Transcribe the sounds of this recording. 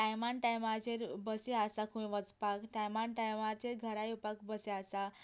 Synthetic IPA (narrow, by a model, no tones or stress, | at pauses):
ʈajmaɳʈajmat͡ɕeɾbəseasakʰũĩʋət͡spakʈajmaɳʈajmat͡ɕeɾɡʱəɾajupakbəseasa